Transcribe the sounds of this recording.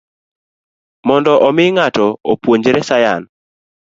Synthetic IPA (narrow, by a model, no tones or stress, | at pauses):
mɔndɔʔɔmɪŋatɔopwoɲd͡ʒɾɛsajan